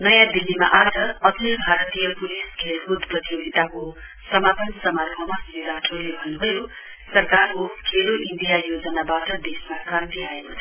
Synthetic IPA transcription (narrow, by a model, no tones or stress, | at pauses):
nʌjãd̪ilːima̰ʔad͡zʌʌɡlibʱaɾʌt̪ijʌpuliskʰelɦud̪ʱprʌt̪ijoɡʱit̪ako | sʌmapʌnsʌmarbʱʌmasriɾaʈʰrolebʱʌnːubʱʌjo | sʌrkarkokʰeloʔind̪ijajod͡zʌnabaʈʌd̪esmakrãnt̪iaekot̪ʰ